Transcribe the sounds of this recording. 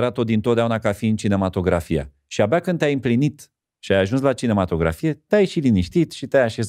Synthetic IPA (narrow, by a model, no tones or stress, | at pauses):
ɾat̪od̪int̪ot̪aunakafiɨnt͡ʃine̞mat̪o̞ɡɾafija̰ | ʃiabakɨnd̪ʲajɨmplinit̪ | ʃiajaʒuns̬lat͡ʃine̞mat̪o̞ɡɾa̰fije̞t̪eajʃiliniʃt̪it̪ʃit̪eajaʃe̞z